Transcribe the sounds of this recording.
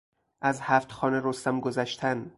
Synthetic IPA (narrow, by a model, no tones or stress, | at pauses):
ʔæzhæft̪xɒːneɾost̪æmɡozæʃt̪ʰæn